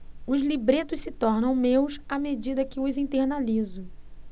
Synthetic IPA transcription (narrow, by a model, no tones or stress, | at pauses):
ʊzlibɾet̪ʊʃsɪt̪ɔɾnɐ̃w̃mewsamed͡ʒid̪ɐkɪʊzĩt̪eɾnalizʊ